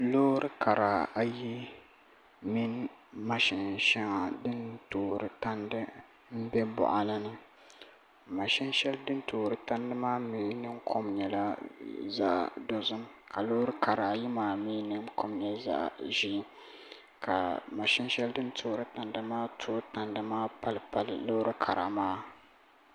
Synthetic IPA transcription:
loː˦ɾɨ˦kʰa˨ɾa˨a˦ji˦ | mi˦nma˨ʃɪ˨nʃɛ˦ŋa˨dɨ˦ntoː˨ɾɨ˨ta˦ndɨ˦ | m̩˦bɛ˦bʊ̰˨ʔa˨la˦nɨ˦ | ma˨ʃɪ˦nʃɛ˦ldɨ˦ntoː˨ɾɨ˨ta˦ndɨ˦maː˦mi˨˦nɨ˦ŋkʰo˦mɲɛ˨la˦za̰˦ʔdo˨zʊ˦m | ka˨lo˦hɾɨ˦ka˨ɾa˨ji˦maː˨mi˦nɨ˦ŋko˦mɲɛ˦za̰˦ʔʒi˦ | kʰa̰˨ma˨ʃɪ˦nʃɛ˦ldɨ˦ntʰoː˦ɾɨ˦ta˨ndɨ˦maː˦tʰoː˦ta˨ndɨ˦maː˦pa˦lpa˨llo˦ɾɨ˦kʰa̰˨ɾa̰˨ʔmaː˦

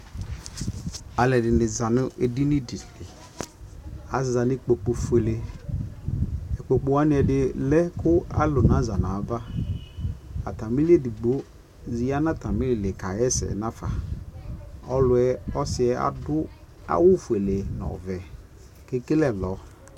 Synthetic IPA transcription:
a˨lɛ˨dɪ˨nɪ˨za˨nʊ˦ʔe˨di˦nɪ˦dɪ˨lɪ˨ | a˨za˨nɪ˦k͡po˨k͡po˨fu˦e˨le˨ | ɛ˨k͡po˨k͡po˨wa˦nɪ˦ɛ˨dɪ˦lɛ˦kʰʊ˦a̰˦lʊ˨nã˨˦za˨na˨˦va˦ | a̰˨ta˨mi˦li˦e˦di˨ɡ͡bo˦ | zi˨a˦na˦ta˨mɪ˦lɪ˨le˨ka˨jɛ˦sɛ̰˨nã˦fa̰˨ | ɔ˦lʊ˨ɛ˦ɔ˦sɪ˨ɛ˨a̰˨dʊ˦ | a̰˦wʊ˦fe˨le˨nɔ̰˨vɛ˨ | ke˦kɪ˦lɛ˦lɔ˨˦

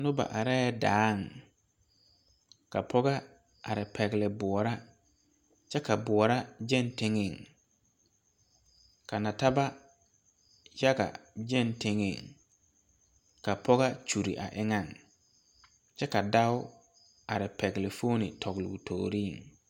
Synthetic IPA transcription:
nʊ˦ba̰˨ʔa˨ɾɛ˦daː˨˦˨ŋ | ka˨pʰɔ˦ɣa˦ | a˨ɾɪ˨pʰɛ˨ɡlɪ˨bʊ˨ɔ˨ɾa˦ | t͡ʃɛ˦ka˨bʊ˨ɔ˨ɾa˦d͡ʒɛ˦˨ntɪ˦ŋɪ˨ŋ | ka˨na˨ta˦ba˦ | ja˦ɣa̰˨d͡ʒɛ˦ntɪ˦ŋɪ̰˨ŋ | ka˨pɔ˦ɣa˦t͡ʃu˨ɾi˨ʔa̰˨ʔɪ˦ŋa˦˨ŋ | t͡ʃɛ˦ka˨da˦ʊ˦ | a˨ɾɪ˨pʰɛ˨ɡlɪ˨fo˦nɪ̰˨tʰɔ˨ɡlʊ̰˨tʰo̰ː˨ɾiː˦˨ŋ

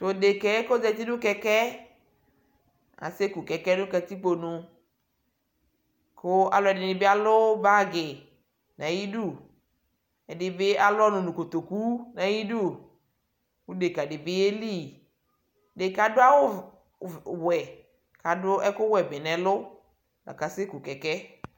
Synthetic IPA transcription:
to˨de˨kɛ˨˦ɛ˦ko˦d͡zɛ˨t̪i˦dʊ˦kɛ˨kɛ˦ | a̰˨se˦ku˨kɛ˨kɛ˦nʊ̃˦ka˨ti˦k͡po˨nʊ̃˨ | kʰʊ˦a˨lʊ˨˦ɛ˨dɪ˨nɪ˨bɪ˦a˦lʊ˦ba˦ɡɪ˨ | na˨ji˦du˦˨ | ɛ˨dɪ˨bɪ˦a˦lʊ˦ɔ˦nʊ̃˨nʊ̃˨ko˨t̪o˨ku˦na˨ji˦du˦˨ | ku˦de˨ka˨dɪ˨bɪ˦e˦li˦˨ | de˨ka˨dʊ˦a˦wʊ˦ | wɛ˨ | ka˨dʊ˦ʔɛ˦kʊ˦wɛ˨bɪ˨nɛ˨lʊ˦ | la̰˨ka˨se˦ku˨kɛ˨kɛ˦

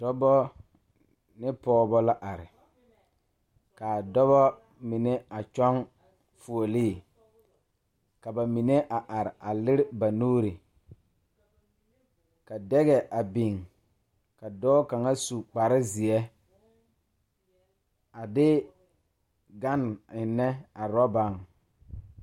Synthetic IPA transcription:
dɔ˦bɔ˦ | nɪ˦pɔː˦bɔ˦la˦ʔa˨ɾɪ˨ | ka˨dɔ˦βɔ˦ | mɪ˨ne˦a˨t͡ʃɔ˦ŋ | fu˨o˨liː˦˨ | ka˨ba˨mi˨ne˦ʔa˨ʔa˨ɾɪ˨a˨lɪ˦ɾɪ˦ba˨noː˦ɾi˨ | ka˨dɛ˦ɣɛ˨ʔa˨bi˨ŋ | ka˨dɔː˦ka˨ŋa˦su˨k͡pa˨ɾɪ˦zi˨ɛ˦ | a˨dɪ˦ | ɡa˦n˨ɪ˨nːɛ˦a˨ɾɔ˦ba˦˨ŋ

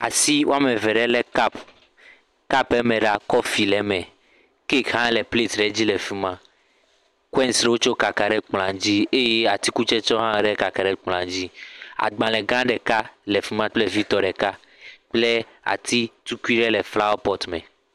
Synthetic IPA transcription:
a̰˨si˦wa˦me˨vɛ˨ɖɛ˦lɛ˦ka˦p | ka˦pɛ˦mɛ̃˨ɖa˦kɔ˦fi˨lɛ˨mɛ̃˨ | ke˦kɦã˦lɛ˨ple˦˨t̪ɖɛ˨˦d͡ʑi˦lɛ˨fi˦mã˦ | kwɛ˦nsɖwo˦t͡ʃo˦ka˨ka˨ɖɛ˦k͡pl̃ã˨d͡ʑi˦e˦je˦a˨t̪i˦ku˦t͡ʃɛ˦t͡ʃɔ˦ɦã˦ɖɛ˦ka˨ka˨ɖɛ˦k͡pl̃ã˨d͡ʑi˦a̰˨ɡ͡bã˨lɛ˨ɡã˦ɖɛ˨ka˦le˨fi˦mã˦k͡ple˦vi˦t̪ɔ˨ɖɛ˨ka˦ | k͡ple˦ | a̰˨t̪ʰi˦t̪u˦ku˦i˦ɖɛ˦lɛ˨fla˦wɔ˦pɔ˦t̪mɛ˨

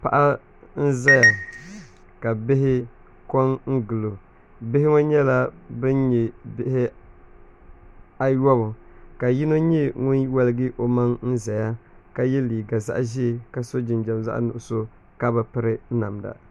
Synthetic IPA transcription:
pa̰˦ʔa˦ | n̩˦za˦ja˨ | ka˨bɪ˦ɦɪ˦ | kɔ˦nŋ̩˦ɡɨ˨lo˨ | bɪ˦hɪ˦ŋo˦ɲɛ˦la˦bɨ˦nɲɛ˨bɪ˦hɪ˦ | a˦jɔ˦bʊ˨ka˨ji˦no˦ɲɛ˦ŋʊ˦n˦wa˦lɪ˦ɡɪ˦ʔo˦ma˦ŋn̩˦za˨ja˦ka˦jɛ˦liː˨ɡa˨za̰˦ʔʒɪ˦˨ka˨so˦d͡ʒɪ˨nd͡ʒa˨mza̰˦ʔnʊ˨ʔʊ˨so˦ | ka˦ba˨pɨ˦ɾɪ˦na˨mda̰˨

